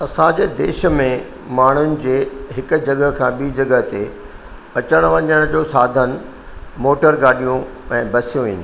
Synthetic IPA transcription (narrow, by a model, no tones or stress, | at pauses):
ɐsãd͡ʑeːd̪eːʃ̆mẽ | maːɳ̤ʊnɪ̆d͡ʑeːɦɪkʊ̆d͡ʑɐɠəɦkʰãːɓiːd͡ʑɐɡəɦt̪e | ɐt͡ɕəɽ̃ʋɐ̃ɲəɽ̃d͡ʑoːsaːd̪ʱən | moːʈəɾɡaːɗijũɛ̃ːbɐsijũʋĩːn